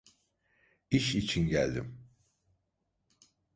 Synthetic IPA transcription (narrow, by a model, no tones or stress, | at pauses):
iʃit͡ʃʰinɟæ̰lʲd̪ḭm